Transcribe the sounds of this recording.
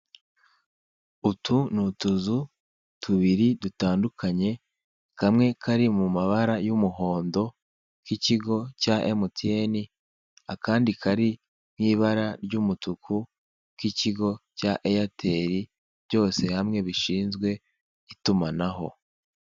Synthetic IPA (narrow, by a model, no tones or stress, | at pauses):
utʰunutuzu | tuβiɾidutaːndukʰaɲe̞ | kamŋe̞kʰaɾimumaβaɾajumuɦo̞ːndo̞ | kiciɡo̞caʔemotʰieni | akaːndikʰaɾi | mŋiːβaɾaɾɟumutukʰu | kiciɡo̞caʔejatʰe̞ɾi | bɟo̞ːse̞hamŋe̞βiʃiːnzɡwe̞ | itumanaɦo̞̰